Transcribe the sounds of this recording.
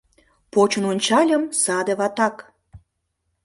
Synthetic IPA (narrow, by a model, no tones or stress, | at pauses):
pot͡ɕə̆nonʲt͡ɕɑlʲəmsɑd̪eβɑt̪ɑk